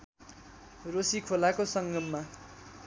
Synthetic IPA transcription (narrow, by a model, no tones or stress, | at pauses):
rosikʰolakosʌŋɡʌmːa